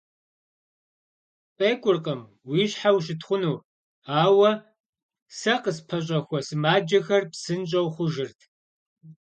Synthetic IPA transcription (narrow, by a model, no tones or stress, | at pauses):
pʼeːkʷʼʊrqʼəm | wiːɕħawʃ̬ɪtʰχʷʊnuː | aːwɐ | sɐqəspʰɐɕʼɐxʷɔsɨmaːd͡ʒɐxɐrpsɨnt͡ʃ̬ʼɐwχʷʊʒɪrtʰ